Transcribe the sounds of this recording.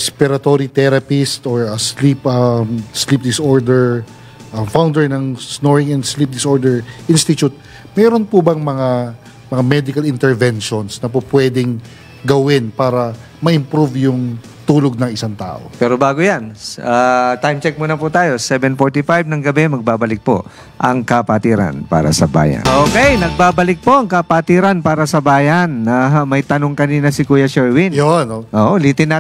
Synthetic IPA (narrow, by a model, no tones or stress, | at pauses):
ɛspɪɾɐt̪oːɾit̪ɛɾɐpɪst̪oɹɐslipɐslip̚d̪ɪsoɹd̪ɛɹ | ʔɐfawnd̪ɛɹnɐŋsnoɹɪŋɛnd̪slip̚d̪ɪsʔoɹd̪ɛɹʔinst̪ɪt͡ʃ̪ut̪̚ | mɛːɾonpʊbɐŋmɐŋa | mɐŋamɛd̪ɪkɐlɪnt̪ɛɹvɛnʃonsnɐpopwɛːd̪ɛŋ | ɡɐwɪnpaːɾɐ | mɐʔɪmpɾuvjʊŋ | t̪uːloɡ̚nɐŋɪsaŋt̪a̰ːʔo̰pɛːɾobaːɡojanʔat̪ajmt͡ʃɛk̚monɐput̪aːjo̞sɛbɛnfoɹt̪ɪfajb̚nɐŋɡɐbɛmɐɡ̚baːbɐlɪk̚po̰ | ʔɐŋkɐpat̪iːɾɐ̰npa̰ːɾɐ̰sɐba̰ːjɐ̰nʔoːkɛjnɐɡ̚baːbɐlɪk̚po̞ʔɐŋkɐpat̪iːɾɐnpaːɾɐsɐbaːjɐnːɐmɐjt̪ɐno̞ŋkɐniːnɐsɪkuːjɐʃɛɹwɪnjonoʔoːʔoliːt̪ɪnːa